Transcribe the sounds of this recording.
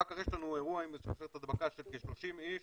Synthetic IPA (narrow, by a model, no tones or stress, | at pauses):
akaʁjeʃlanueʁuaimesaʃeet̪ad̪bakaʃelkiʃlo̞ʃimiʃ